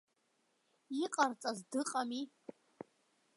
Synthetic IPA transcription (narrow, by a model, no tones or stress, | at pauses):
iqʼart͡sʼazdɨqʼami